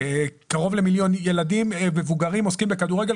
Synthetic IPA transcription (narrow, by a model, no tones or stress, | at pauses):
kaʁo̞vle̞miljo̞nje̞ladimmevuɡaʁimoskimbe̞kaduʁeɡel